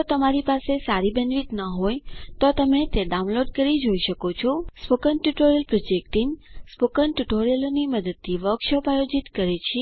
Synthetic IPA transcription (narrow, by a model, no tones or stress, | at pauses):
d͡ʒot̪əmaɾipasesaɾibənʋit̪nəɦojt̪ot̪əmet̪eɖaũnloɖkəɾid͡ʒoiʃəkot͡ʃʰɔspokənʈuʈoɾijəlpɾɔd͡ʒekʈinspokənʈuʈoɾijəloniməd̪əd̪̚t̪ʰiʋəkʃəpajod͡ʒit̪kəɾet͡ʃʰe